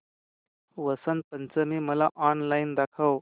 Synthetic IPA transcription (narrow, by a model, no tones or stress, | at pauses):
ʋəsənpənt͡səmiːməlaʔɔnlaind̪akʰəw